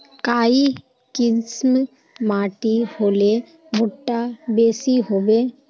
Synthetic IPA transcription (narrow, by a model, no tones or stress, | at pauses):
kaːi | kɪsm | maːʈihoːle | bʱʊʈːabeːsiɦobeː